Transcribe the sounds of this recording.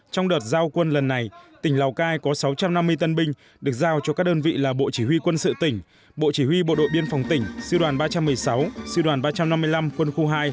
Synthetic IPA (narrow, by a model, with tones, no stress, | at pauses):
t͡ɕɔ˧wŋ͡mɗəː˨˩t̚zaː˧wkwə˧nlə˨˩nːa˨˩jt̪ï˧˩ŋ̟la˨˩wkaː˧jkɔ˨˦sa˨˦wt͡ɕa˧mna˧mːɨ˧əjt̪ə˧nɓï˧ŋ̟ | ɗɨ˨˩ək̚zaː˧wt͡ɕɔ˧kaː˦˥k̚ɗəː˧nvḭ˧˨laː˨˩ɓo̰˧˨t͡ɕi˧˩wi˧kwə˧nsɨ̰˧˨t̪ï˧˩ŋ̟ | ɓo̰˧˨t͡ɕi˧˩hwi˧ɓo̰˧˨ɗo̰˧˨ɓi˧ənfa˨˩wŋ͡mt̪ï˧˩ŋ̟sɨ˧ɗwaː˨˩nɓaː˧t͡ɕa˧mːɨ˨˩əjsa˨˦wsɨ˧ɗwaː˨˩nɓaː˧t͡ɕa˧mna˧mːɨ˧əjla˧mkwə˧nxu˧ɦaː˧j